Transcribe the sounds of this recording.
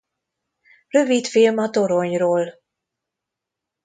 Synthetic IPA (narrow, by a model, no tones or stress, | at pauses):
rø̞vit̪filmɒt̪o̞ɾoɲroːl